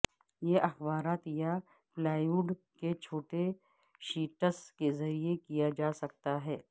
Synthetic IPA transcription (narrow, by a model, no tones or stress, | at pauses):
jeʔɐxbaːɾaːt̪ja | plaːjuːɖ | ket͡ʃʰoːʈe | ʃiːʈəskezɐɾiekijad͡ʒaːsɐk̚t̪aɦɛː